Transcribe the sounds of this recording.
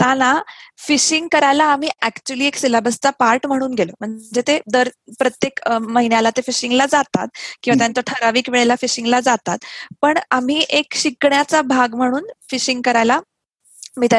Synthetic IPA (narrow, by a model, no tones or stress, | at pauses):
t̪anafiɕiŋɡkəɾajlaːm̤iːækt͡ɕuəliːeksilabəst͡sapaɾʈm̤əɽ̃uːnɡelom̤əd͡zet̪ed̪əɾpɾət̪jekməɦinjalat̪efiɕiŋɡlad͡zat̪at̪̚kĩwʋat̪jãnt͡səʈʰəɾaʋiːkʋeɭelafiɕiŋɡlad͡zat̪at̪pəɳam̤iːʔekɕikɳjat͡sabʱaɡm̤əɽ̃uːnfiɕiŋɡ̚kəɾajla | miːt̪a